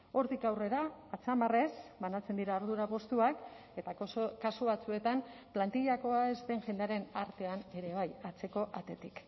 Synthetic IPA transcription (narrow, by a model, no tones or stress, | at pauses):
o̞ɾt̪ikawre̞ɾaːt͡samare̞sbanat͡se̞nd̪iɾaoɾðuɾapo̞st̪uak | e̞t̪akasuβat͡sue̞t̪amplant̪iʎako̞aezt̪e̞ŋʝend̪aɾe̞naɾt̪e̞ane̞ɾe̞β̞ajat͡se̞ko̞ʔat̪e̞t̪ik